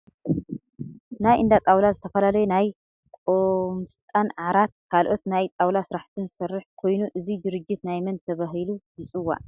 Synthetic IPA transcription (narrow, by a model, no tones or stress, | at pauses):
najʔɨnd̪at̪ʼawlazɨt̪ʰɐfɐlalɐjunaj | kʼomst̪ʼanʕʕaɾat̪̚kʰalʔo̞t̪najt̪ʼawlasɨɾaħt̪ʰɨnzɨsɐrːɨħkʰo̞jnuʔɨzid̪ɨɾɨd͡ʒːit̪najmɐnt̪ʰɐβaɦɨlujɨt͡sʼɨwːa̰